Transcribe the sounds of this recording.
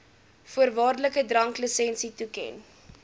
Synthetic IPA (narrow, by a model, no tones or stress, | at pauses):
fuərvɑːrdələkədrɐŋkləsɛnsitukɛ̰n